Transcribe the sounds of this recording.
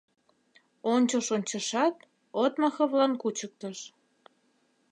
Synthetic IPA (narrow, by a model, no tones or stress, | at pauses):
onʲt͡ɕoʃonʲt͡ɕə̆ʃɑt̪ | ot̪məxɤ̆βlɑnkut͡ɕək̚t̪əʃ